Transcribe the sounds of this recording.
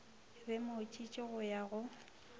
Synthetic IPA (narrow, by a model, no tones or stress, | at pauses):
bɛmot͡ʃʼit͡ʃʼɪɣʊjaɣʊ